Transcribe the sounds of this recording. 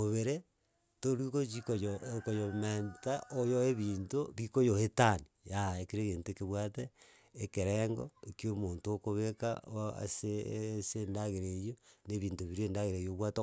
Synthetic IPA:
oβeɾe | toɾwikot͡ʃikojokojomentaʔojoeβiːntoβikojohetanijaekiɾeɣeːntoekeβwateː | keɾeŋɡo̰ekiomontoːkoβeka̰a̰sesendaɣeɾejoneβiːntoβiɾeːndaɣeɾejoβwato

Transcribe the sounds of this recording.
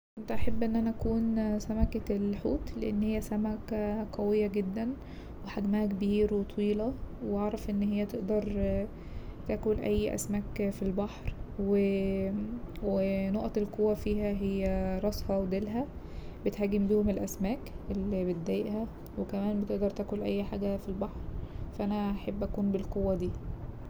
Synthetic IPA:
ʔent̪æʔaħabːʔenːʔænæʔækuːnsæmækæelħuːt̪lḛʔenːhejːæsæmækæqɑwejːæɡed̪ːæn | weħaɡmæhækebiːɾwet̪ˤwiːlɑweʔɑʕɾˤɑfʔenːhejːæt̪eʔd̪ɑɾˤ | t̪æːkolʔæjːʔæ̰smæːkfilbɑħɾwe | wenoʔɑt̪elqowːæfiːhæɦejːæɾˤɑsˤhɑwed̪elɦæ | bet̪hæːɡembiːhomelʔæsmæːk | ʔelːibet̪̚d̪æjeʔhæ | wekæmæːnbet̪eʔd̪ɑɾˤt̪æːkolʔæjːħa̰ːɡæfilbɑħɾfæʔænæaħebːʔækuːnbelqowːæd̪iː

